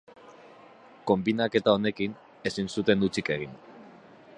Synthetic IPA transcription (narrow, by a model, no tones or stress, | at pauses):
ko̞mbinake̞t̪ao̞ne̞kin | e̞sinsut̪e̞nd̪ut͡sike̞ɣ̞in